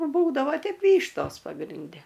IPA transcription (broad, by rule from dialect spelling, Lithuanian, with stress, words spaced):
ˈbuːdɐʋoː ˈtʲɛɪp ˈʋʲiːʃtoːs pɐɡrʲɪnʲˈdʲɛ